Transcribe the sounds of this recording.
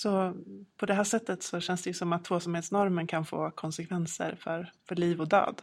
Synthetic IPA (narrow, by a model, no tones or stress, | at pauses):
sɔpʰɔd̪ɛɦæːʂɛt̪ːət̪sɔɕɛnsd̪ɛjɵsɔmat̪ʰːvoːsɔmheːt̪snɔɾmənkʰanfo̰ːkʰɔnsɛkʰvɛnsə̰ɾfœɾfœɭiːvɔd̪ø̰ːd̪